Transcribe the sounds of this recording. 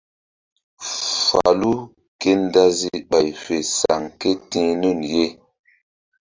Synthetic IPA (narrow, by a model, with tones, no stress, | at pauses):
fa̰˨lu˦ | ke˦nda˦zi˦ɓa˨jfe˨sa˨ŋke˦tĩ˦nu˦˨nje˦